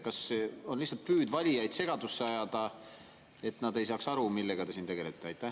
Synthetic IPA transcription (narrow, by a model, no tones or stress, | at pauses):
kɑso̞nlisːɑlt̪̚pyːd̪vɑlʲijɑjd̪̥se̞ɡ̥ɑd̪usːeɑjɑd̪̥ɑ | e̞t̪ːnɑd̪e̞jsɑːksɑɾumilːe̞ɡ̥ɑt̪e̞sint̪e̞ɡe̞le̞t̪ːˑeɑjt̪ːˑæ